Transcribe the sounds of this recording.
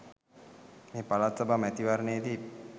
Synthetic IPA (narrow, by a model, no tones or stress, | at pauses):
meːpalat̪sabamæt̪iʋaɾəneed̪i